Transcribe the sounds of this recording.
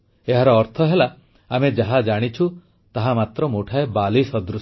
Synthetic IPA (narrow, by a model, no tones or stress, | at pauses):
eɦaɾɔːɾt̪ʰɔɦelaː | med͡ʒaɦad͡ʒaɽ̃it͡ʃʰu | t̪aɦamat̪ɾɔmuʈʰaebalisɔd̪ɾus